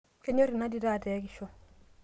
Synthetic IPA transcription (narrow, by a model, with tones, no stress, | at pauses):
ke˦ɲo˦ɾi˨na˦di˨da˦˨tɛ˨˦ki˨ʃo˦